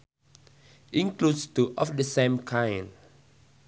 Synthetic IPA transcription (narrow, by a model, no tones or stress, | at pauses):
ʔĩŋklutstuʔɔfdəsẽmkʰãjn